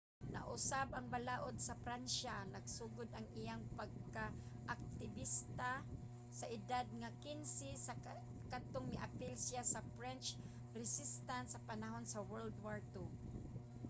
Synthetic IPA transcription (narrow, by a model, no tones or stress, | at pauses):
na̰ʔʊsabaŋbalaːʔod̪̚sɐfɾanʃanaɡ̚suːɡʊd̪aŋɪjaŋpaɡ̚kaʔːk̚t̪ɪbist̪a | saʔɪd̪ad̪̚ŋakɪnsɪsa | kat̪oŋmɪʔa̰pɪlsɪjasafɾɛnt͡ʃ | ɾɪsɪst̪ant̪sɐpanaɦonsawɛɹld̪waɹt̪u